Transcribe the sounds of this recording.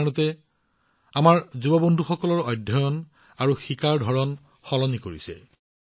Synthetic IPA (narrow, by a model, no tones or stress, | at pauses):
nɔtɛ | amaɹzubɔbɔndʱuxɔkɔlɔɹɔjdʱːɔjɔn | aɹuxikaɹdʱɔɹɔn | xɔlɔnikoɹisɛ̰